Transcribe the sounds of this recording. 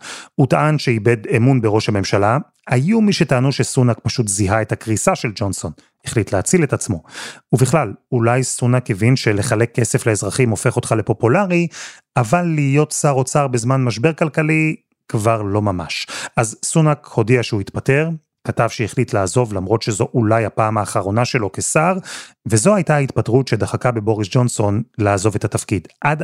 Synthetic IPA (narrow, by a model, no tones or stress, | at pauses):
utaʔanʃeibe̞demunbeʁo̞ʃhame̞mʃala | hajumiʃetaːnuʃesunak̚paʃutziɦae̞thakʁisaʃe̞ld͡ʒo̞nso̞n | iχlitleat͡sile̞tat͡smo̞uviχlalulajsunakevinʃe̞le̞χalekːese̞fleezʁaχimo̞fe̞χo̞t̪χale̞po̞pulaʁi | avalːiːjo̞tsaʁo̞t͡saʁbezmanmaʃ̬be̞ʁkalkali | kvaʁlo̞mama̰ʃazsunakho̞diaʃeuitpate̞ʁ | katavʃeiχlitlaːzo̞vlamʁo̞tʃezo̞ʔulajapaːmhaːχaʁo̞naʃe̞lo̞kesaʁvezo̞hajtaaitpatʁutʃed̪aχakabebo̞ʁisd͡ʒo̞nso̞nlaːzo̞ve̞tatafkidʔad